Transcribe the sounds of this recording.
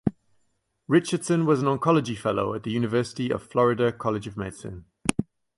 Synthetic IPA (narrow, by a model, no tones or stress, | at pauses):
ɹɪt͡ʃəd̥sə̃nwɒzə̃nə̃ŋkʰɒləd͡ʒifɛloʊəʔðəjʉːnɪvɜˑsɪ̥tiə̰v̥flɒɹɪdəkʰɒlɪd͡ʒəvmeɪdsə̰̃n